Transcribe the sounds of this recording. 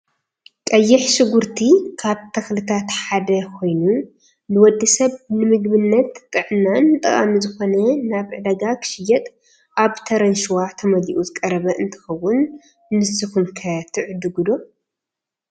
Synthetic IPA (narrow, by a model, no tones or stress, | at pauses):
kʼɐjːɪħʃɨɡuɾt̪ʰikʰaβt̪ʰɐxlɨt̪ʰat̪ħad̪ɐkʰo̞jnu | nɨwɔd̪ːisɐβnɨmɨɡbɨnːɐt̪t̪ʼːɨʕɨnːant̪ʼɐχʼa̰mizɨxo̞nɐnaβʕɨd̪ɐɡakʰɨ̥ʃɪjɐt̪ʼ | ʔaβt̪ʰɐɾɐnʃwat̪ʰɐmɐliʔuzɨkʼɐɾɐβɐʔɨnt̪ʰɐ̥xɐwːʊnː | ɨsɨxunkʰɐt̪ʰɨʕɨd̪uɡud̪o̞